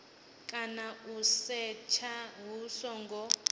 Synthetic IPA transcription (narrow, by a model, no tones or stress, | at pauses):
kʼanausɛt͡ʃʰaɦusɔŋɡʱɔ